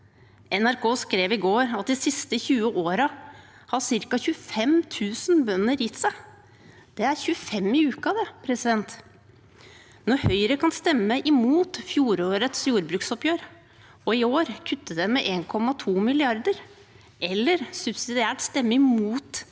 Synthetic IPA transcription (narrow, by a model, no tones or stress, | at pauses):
ʔɛnæɾkʰoːskɾeːʋɪɡoːɾɑt̪̚d̪ɪsɪst̪əçʉːəʔoːɾɑ | hɑsɪɾkɑçʉəfɛmt̪ʰʉːsənbœnːəɾjɪt̪sæ | d̪̥ɛæɾçʉəfɛmːɪʉːkɑd̪ɛpʰɾɛsɪd̪ɛnt̪ | nɔɾhœʏɾəkʰɑnst̪ɛmːəʔɪmuːt̪fjuːɾoːɾət̪sjuːɾbɾʉːksɔpjøːɾ | ɔɪoːɾkʰʉt̪ːəd̪ɛmɛʔeːnkʰɔmːɑt̪ʰuːmɪlɪɑɾd̪əɾ | ʔɛlːəɾsʉbsɪd̪ɪæːʈst̪ɛmːəɪmuːt̪